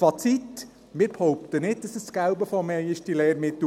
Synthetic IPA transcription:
fɑt͡sit | mɪɾphɔwpt̪ənɪd̚dɑsəsskæwbəfɔmɛjəʃtileːɾmɪt̪ː

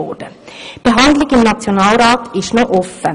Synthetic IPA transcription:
oːd̪ə | b̥əɦɑnd̪lɪɡɪmnɑt͡sjonɑːlɾɑːt̪ɪʃnoːʔɔfːə

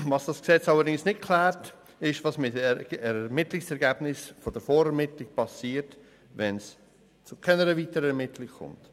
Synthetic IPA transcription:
vɑsd̥ɑsksɛt͡sɑlːəɾdɪŋsnɪt̚kʰlæːɾt | ɪʃvɑsmɪtɛɛɾmɪtlɪksɛɾɡæb̥nɪsfod̥əɾfoːɾɛɾmɪtlɪk̚pʰɑsiːɾt | vɛns | t͡sʊkʰɛnəɾəviːtəɾɛɾmɪtʰlɪkkʰʊ̰mt

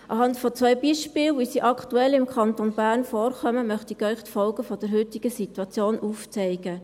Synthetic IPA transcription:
ʔɑɦɑntfɔt͡sʋœʏbiʃpɪːlʋisiʔɑktuɛlɪmkʰχɑnt̪onbæːɾnfɔːɾχœməmœχt̪ikœʏχtfɔlɡəfɔd̥əɾɦʏtiɡ̥əsit̪wɑt͡sjoːnuːft͡sɛɪɡ̥ə

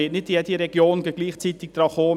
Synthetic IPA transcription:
eːtnɪt̚ːiɛdiɾɛɡ̥joːnɡɛɡ̥liːχt͡sit̪ɪk̚d̥̪ɾɑːχoː

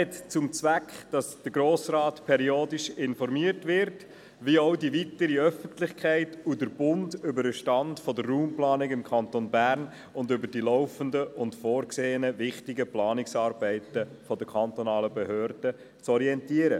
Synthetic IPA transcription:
hɛtt͡sʊmt͡sʋækχd̥ɑsd̥əɾɡɾoːsrɑːtpʰɛɾioːdɪʃɪnfɔɾmiəɾtʋɪɾt | ʋioʊdiʋitəɾiœfəntlɪχkχæɪtudəɾb̥ʊndʏbəɾəʃtɑndfɔdərːuːmplɑːnɪkɪmkʰɑnt̪onbæɾn | ʊndʏbəɾdilɔʊfəndəʔʊntfoːɾkseːənəvɪχtɪɡəplɑːnɪksɑːɾbɛɪtə | fɔdəkʰɑnt̪onɑːləbɛɦøːɾd̥ə | t͡sɔɾiɛntiəɾə

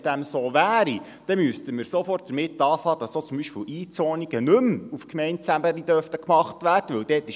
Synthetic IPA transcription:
d̥æmsoːʋæːɾi | d̥ɛmystəməɾsofɔrt̚d̥əɾmɪtːɑːfhɑːd̥ɑssoːt͡sʊmbiʃpɪːwʔiːt͡sɔːniɡ̥ənɵmufkmɛɪntt͡sæbəɾid̥̪œɾftəkmɑχtʋæːrd̥əʋɵwd̥ɛːtɪ

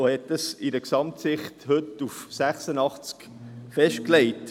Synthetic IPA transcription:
hɛtːəsidəksɑmtsɪχthʏtufsæχsənɑχt͡sk | fɛʃt̚klɛɪt

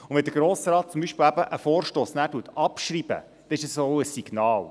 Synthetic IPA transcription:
ʊnvʋɛnd̪əɾɡ̥ɾoːsɾɑːt̚t͡sʊmbiʃpɪːlæbəʔəfoːɾʃtoːsnæːɾtuətɑpʃɾib̥ə̰ | d̥̪ɛnɪʃəsoəsiɡ̥nɑːl

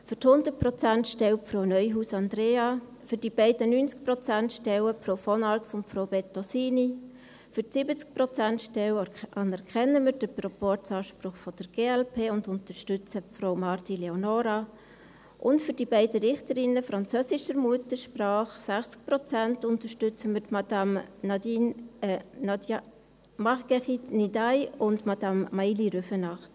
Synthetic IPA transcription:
fʏthʊndəɾt̚prɔt͡sæntʃtɛwpfɾownœʏɦuːsɑnd̪ɾeːɑ | fʏɾd̥ibɛɪdənyːnt͡sk̚prɔt͡sæntʃtɛwəpfɾoʊwfɔnɑltsʊntpfɾowbɛtːosiːni | fʏɾtsɪbət͡sk̚pɾɔt͡sæntʃtɛwʔɑnɛɾkʰχɛnːəmɪd̥əprɔpɔt͡sɑːʃpɾʊχfɔd̥əɾɡ̥eːɛlpʰeːʊndʊnt̪əɾʃtʏt͡səfɾowmɑrtileonɔɾa | ʔʊntfʏɾd̥ibɛɪdəɾɪχtəɾɪnəfɾɑnt͡søːsɪʃəɾmuətəɾʃpraːχsæχt͡sk̚pɾɔt͡sæntʊntəʃtʏt͡səmɪtmɑdɑmnɑdin | mɑχɡ̥ɛχitnidajʊndmɑd̥ɑmːailiɾøfənɑχt

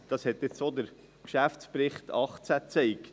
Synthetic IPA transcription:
d̥ɑshɛt̪ːɪt͡sod̪əɾ | kʃæft͡spɾɪχt̪ʰɑχt͡sæt͡sɛɪk

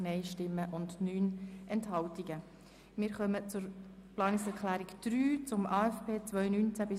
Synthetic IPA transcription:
nɛɪʃtɪmːəʔʊndnyːnʔɛnthɑltiɡə | mɪɾχœmət͡sʊɾplɑːnɪksɛɾkʰlæːɾikd̥ɾyːt͡sʊmʔɑːɛfpʰeːt͡sʋœʏnynt͡sæbɪ

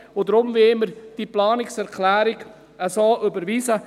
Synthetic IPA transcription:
ʊd̪ɾʊmvɪməɾd̥iplɑːnɪksɛɾkʰlæːɾɪɡ | əsoːʔʏbəɾviːsə

